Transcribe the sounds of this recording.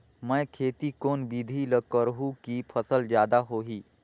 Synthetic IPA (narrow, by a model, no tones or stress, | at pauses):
mə̃jkʰeːt̪ikoːnbid̪ʱiləkəɾɦũkipʰəsəlzjaːd̪aɦoːɦiː